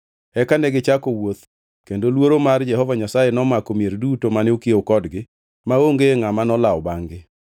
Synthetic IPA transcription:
ɛkanɛɡɪt͡ʃakowot̪ | kendolwoɾomard͡ʒɛhɔvaɲasajenɔmakomjeɾdutomaneokiokɔdɡɪ | maoŋɡeŋamanɔlaɔbaŋɡɪ

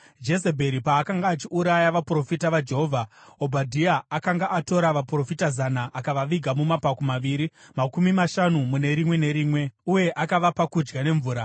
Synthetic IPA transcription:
d͡ʒe̞sebʱe̞ɾipaːkaŋɡaːt͡ʃiuɾajaʋapuro̞fitaʋad͡ʒe̞ɦo̞vʱaobʱadʱiaakaŋɡaʔato̞ɾaʋapuro̞fitazanaʔakaʋaʋiɡʱamumapakomaʋiːɾimakumimaʃanumune̞ɾimwe̞ne̞ɾiːmwe̞uje̞ʔakaʋapakud͡ʒɡane̞ɱvuːɾa

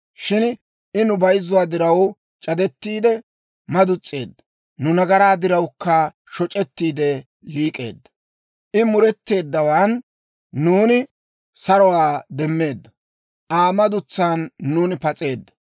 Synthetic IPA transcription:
ʃɪn | ʔɪnʊbɐjzːʊwaːd̪ɪɾɐw | t͡ʃʼɐd̪ɛt̪ːiːd̪ɛ | mɐd̪ʊt͡sʼːe̞ːd̪ːɐ | nʊnɐɡɐɾaːd̪ɪɾɐwkːɐ | ʃɔt͡ʃʼɛt̪ːiːd̪ɛ | liːkʼe̞̰ːd̪ːɐ | ʔɪmʊɾɛt̪ːe̞ːd̪ːɐwaːnː | uːnɪ | sɐɾɔwaːd̪ɛmːe̞ːd̪ːɐ | ʔaːmɐd̪ʊt͡sːaːnːuːnɪpɐt͡sʼe̞ːd̪ːɐ̥

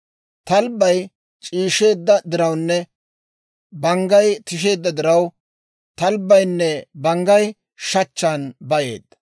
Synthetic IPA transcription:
t̪ɐlbːɐj | t͡ʃʼiːʃe̞ːd̪ːɐd̪ɪɾɐwnːɛ | bɐŋɡɐjt̪ɪʃ̬e̞ːd̪ːɐd̪ɪɾɐw | t̪ɐlbːɐjnːɛbɐŋɡɐj | ʃɐt͡ʃːaːnbɐjḛːd̪ɐ

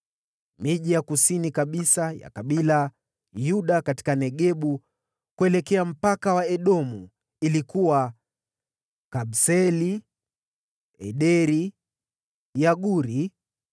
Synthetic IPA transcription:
miʄijakusinikaɓisaja̰kaɓila | juɗakati̥kanɛɠɛɓu | kuɛlɛkɛam̩pakawaɛɗɔmu | ilikuwa | kaɓsɛli | ɛɗɛɾi | jaɠuɾi

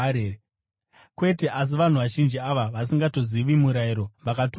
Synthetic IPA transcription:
e | kwe̞te̞ʔas̬iʋan̤uʋaʒind͡ʒiaʋaʋas̬iŋɡato̞ziʋimuɾaiɾo̞ʋakat

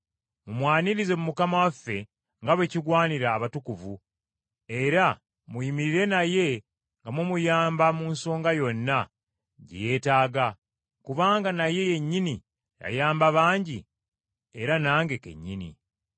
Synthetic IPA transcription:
mumwaːniɾize̞mumukamawafːe̞ | ŋɡaβe̞ciɡwaːniɾaːβatukuvu | e̞ɾa | mujimiɾiɾe̞naje̞ | ŋɡamwemujaːmbamunsoːŋɡajo̞nːa | ɟḛje̞ːtaːɡa | kuβaːŋɡanaje̞je̞ɲːini | ja̰jaːmbaβaːɲɟi | e̞ɾanaːŋɡe̞ke̞̰ɲːinḭ

